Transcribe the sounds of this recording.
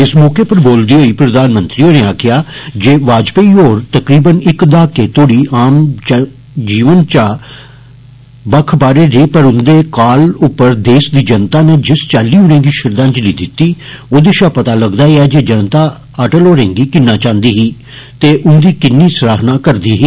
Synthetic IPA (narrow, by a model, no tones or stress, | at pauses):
ɪsmɔːkeːpəɾboːld̪iːɦoːiːpɾəd̪aːnmə̃nt̪ɾiːoːneːaːkʰɪjaːd͡ʒeːʋaːd͡ʒpeioːɾt̪əkɾiːbənɪkd̪aːkeːt̪oːɽiːʔaːm | d͡ʒiːʋənt͡ʃaː | bəkʰbaːɾeːɾeːpəɾʊnd̪eːkaːlʊpːəɾd̪eːsd̪iːd͡ʒənt̪aːneːd͡ʒɪst͡ʃaːliːʊnẽːŋɡiːʃɪɾd̪ãːɲt͡ʃəliːd̪ɪt̪ːiːoːd̪eːʃaːpət̪aːləɡd̪aːeɛːd͡ʒeːd͡ʒənt̪aː | əʈəloːɾẽːŋɡiːkɪnːãːt͡ʃãːnd̪iːɦiː | t̪eːʔʊnd̪iːkɪnːiːsɾaːɦnãːkəɾd̪iːɦiː